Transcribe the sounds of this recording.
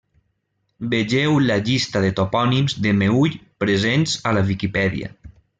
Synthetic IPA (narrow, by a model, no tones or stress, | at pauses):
beʒewlaʎist̪aðet̪opɔnimzðemeuʎpɾezenzalaβikipɛðḭa̰